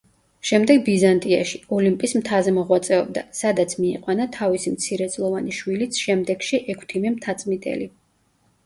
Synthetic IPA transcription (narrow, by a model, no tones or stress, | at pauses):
ʃɛmd̪ɛɡ̚bizant̪ʼia̰ʃiɔlimpʼismt̪ʰazɛmɔʁwat̪sʼɛɔbd̪a̰sad̪at̪sʰmiɛ̰qʼwanat̪ʰavisimt̪sʰiɾɛd̪sʼlˠɔvaniʃwilit̪sʰʃɛmd̪ɛɡ̥ʃiʔɛkʷʰt̪ʰimɛmt̪ʰat̪sʼmit̪ʼɛ̰li